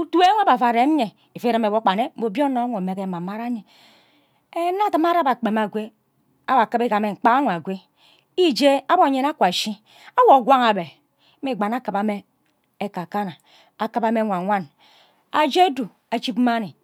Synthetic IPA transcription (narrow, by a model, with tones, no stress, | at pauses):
u˦tu˦e˦ŋʷ˦a˦ba˨fa˨ɾe˨˦ɲe˨ | i˨fe˦ɾa˦me˨bo˦k͡pa˨ne˦m̩˦bo˨bjo˦no˨˦ŋʷo˨me˨ke˦˨ma˨ma˦ɾa˦ɲe˨ | e˦na˦tɨ˦ma˦ɾa˦ba˨k͡pe˨m˨a˨ɡʷe˦ | a˦wa˨kɨ˦be˦ka˨me˨ŋ͡m̩˨k͡pa˦a˦ŋʷ˨a˨ɡʷe˦ | i˦d͡ʒe˦a˦bo˨ɲe˦na˦kʷa˨ʃi˦ | a˦wo˨ɡʷa˦ŋa˨be˨˦ | mi˦˨ɡ͡ba˨na˦kɨ˨pa˨me˦ | e˦ka˨ka˦na˨ | a˨kɨ˦pa˦me˦ŋʷa˨ŋʷa˦n | a˨d͡ʒe˦du˨ | a˨t͡ʃi˦pm̩˦ma˦ni˨